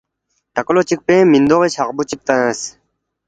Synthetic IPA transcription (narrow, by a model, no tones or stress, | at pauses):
ʈɐklot͡ɕik̚pẽːmind̪oʁet͡ɕʰaqbut͡ɕip̚t̪ə̃ə̃s